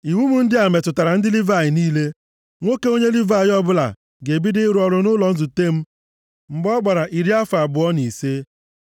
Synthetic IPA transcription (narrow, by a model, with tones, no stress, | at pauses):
i˨wu˦mu˦n̩˦dɪ˦a˨me˨tʊ˨ta˨ɾa˨n̩˦dɪ˦li˦va˦˨jɪ˨niː˦le˦ | ŋʷo˦ke˦o˦ɲe˦li˦va˦˨jɪ˨˦ɔ˦bʊ˦la̰˨ | ɡe˨bi˦dɪ˦ɾʊ˦ɔ˨ɾʊ˨nʊ˦lɔ˨n̩˦zu˨te˦m̩˦ | ŋ͡m̩˨ɡ͡bɔ˦ɡ͡ba˨ɾa˨ʔi˨ɾi˦a˦fa˨bʊ˨ɔ˦ni˨se˦